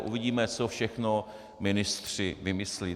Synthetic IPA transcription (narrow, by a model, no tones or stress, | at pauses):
ʔṵvɪɟiːmɛt͡sofʃɛxno | mɪnɪst̪r̝̥ɪvɪmɪsli